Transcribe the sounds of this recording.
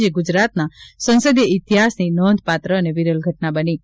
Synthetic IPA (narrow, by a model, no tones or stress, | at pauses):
d͡ʒeɡud͡ʒɾat̪nasə̃nsəd̪jəit̪iɦasninɔnd̪ʱpat̪ɾəːneʋiɾəlɡʱəʈnabəni